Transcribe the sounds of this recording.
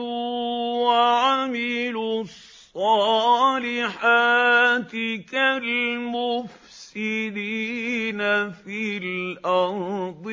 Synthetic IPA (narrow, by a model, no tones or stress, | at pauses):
waʕamɪlʊssˤːɑːlɪħaːt̪ɪkalmʊf | sɪd̪iːnafilʔɑɾd̪ˤ